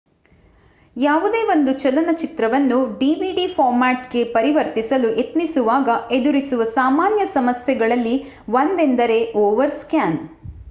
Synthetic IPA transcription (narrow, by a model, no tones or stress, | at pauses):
jaːʋud̪e̞ːʋo̞nd̪ut͡ʃɐlɐnɐt͡ʃit̪ɾɐʋɐnːuɖiːʋiɖifʰaːɾmaːʈɡe̞pɐɾiʋɐɾt̪isɐluʔe̞t̪nisuʋaːɡɐe̞d̪uɾisuʋɐsaːmaːnjɐsɐmɐsjɛɡɐɭɐlːi | ʋɐnd̪end̪ɐɾe̞ʔɔːʋɐɾskjaːn